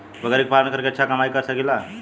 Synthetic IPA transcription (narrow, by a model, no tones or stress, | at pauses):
bəɡəeɾek̚palənkəɾkeəːɕʰakəmajkəɾsəɡila